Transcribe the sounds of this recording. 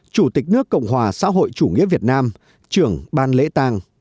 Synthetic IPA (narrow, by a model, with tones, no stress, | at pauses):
t͡ɕu˧˩t̪ï˨˩k̟̚nɨ˦˥əkːə̰˧˨wŋ͡mɦwaː˨˩sa̰ː˧˥ɦo̰˧˨jt͡ɕu˧˩ŋḭ˧˥əvi˨˩ət̚naː˧m | t͡ɕɨ˧˩əŋɓaː˧nlḛ˧˥t̪aː˧ŋ